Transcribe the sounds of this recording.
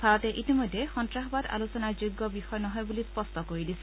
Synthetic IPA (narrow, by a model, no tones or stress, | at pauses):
bʱaɹɔt̪eʔitimojd̪ʱːexɔntɹaɦɔbad̪a̰lusɔnaɹd͡ʒuɡːɔbixɔjɔnɔɦɔjbulispɔst̪ɔkoɹid̪isʰi̥